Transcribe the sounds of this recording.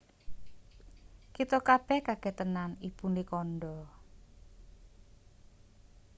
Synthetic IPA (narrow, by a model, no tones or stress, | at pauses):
kit̪ɔkab̥ɛhkaɡ̥ɛt̪ənanipunikɔnɖɔ